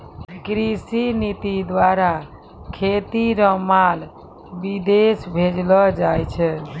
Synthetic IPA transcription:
kɾisinit̪id̪waɾa | kʰet̪iɾɔmal | bid̪esbʱed͡ʒlɔd͡ʒajt͡ʃʰɛ

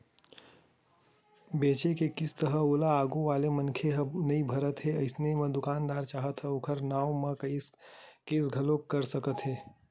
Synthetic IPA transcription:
beːt͡ʃekekɪst̪əɦəoːlaaːɡoʋaːlemɐnkʰeɦnɐibʱɐɾət̪ɦɛɐɪsnemɐ̃d̪ʊkaːnd̪aːɾt͡ʃaːɦət̪ɦɛokʰəɾnaːomɐ̃kːskeːsɡʱɐlokkːɐɾsəkət̪ɦɛː

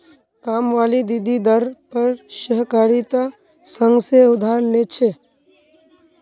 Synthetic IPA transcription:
kaːmʋaːlid̪id̪ʱid̪əɾpəɾʃəɦkaːɾit̪a | sə̃ŋɡseʊd̪ʱaːɾlet͡ʃʰe

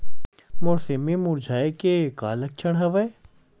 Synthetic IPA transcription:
mʊɾsemẽmʊɾd͡ʒʱaːekeka̰ːlɐk̚t͡ʃʰəɽ̃ɦɐʋɐj

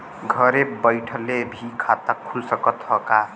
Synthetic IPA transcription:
ɡʱəɾebəjʈʰəlebʱikʰat̪akʰulsəkət̪ɦɔka

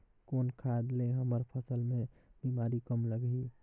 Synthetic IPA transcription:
konkʰaed̪leɦəməɾpʰəsəlmeb̥imaɾikəmləɡi

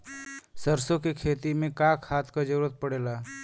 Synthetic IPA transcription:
səɾsõkekʰeːt̪imẽkaːkhaːt̪ʰkad͡ʒəɾuːɾət̪̚pəɽeːlaː

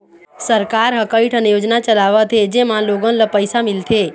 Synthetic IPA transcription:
səɾkaɾɦəkəiʈʰənejod͡ʒnat͡ʃəlaʋət̪ʰed͡ʒemãloɡənləpəjsamilt̪ʰe

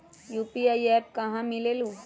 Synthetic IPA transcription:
juːpiajɛːp̚kɐɦãmɪlelu

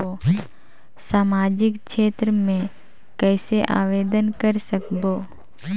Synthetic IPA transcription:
oː | saːmaːd͡ʒɪkʃeːt̪ɾəmẽ | kɛːseʔa̰ːʋeːd̪ənkəɾsəkboː

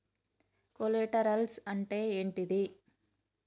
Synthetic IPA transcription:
koleʈɐɾɐlsɐɳʈeːeːɳʈid̪i

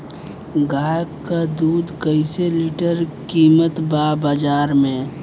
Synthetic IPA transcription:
ɡaːjəkkːad̪uːd̪kəiseliːʈəɾkiːmət̪baːbaːd͡ʒaːɾmẽː

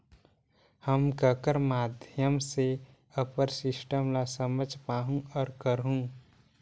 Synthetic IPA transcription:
həmkəkəɾmaːd̪ʱjəmse | əpəɾsɪsʈəmlasəməd͡ʒʱpaːɦũɔːɾkəɾɦũ

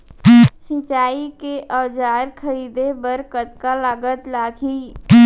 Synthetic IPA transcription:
sɪt͡ʃaːikeʔɔʋd͡ʒaːɾkʰəɾiːd̪ebəɾkət̪̚kalaːɡət̪laːɡʱiː

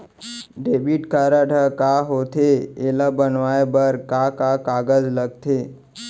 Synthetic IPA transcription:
ɖeːbiʈkaɾaʈʰəkaɦot̪ʰeelabənʋaːebəɾkakakaːɡəd͡ʒləɡ̚t̪ʰeː

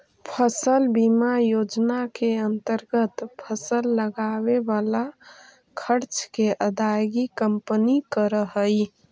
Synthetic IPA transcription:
pʰəsəlbimajod͡ʒnakeənt̪əɾɡət̪pʰəsəlːəɡaβebala | kʰəɾt͡ʃkeʔəd̪ajɡikəmpənikəɾəɦəj

